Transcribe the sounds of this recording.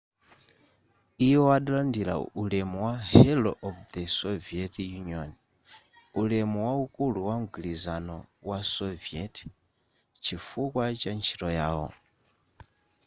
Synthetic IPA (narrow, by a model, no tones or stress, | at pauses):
iwɔwaɗalandiɾa̰ulɛmuwahɛlɔʔɔvd̪ɛsɔviɛtjuniɔn | ulɛmuwaukuluwamuɡilizanɔ̰wasɔviɛtʰ | t͡ʃʰifukwat͡ʃant͡ʃʰi̥ɾɔjaːwɔ̰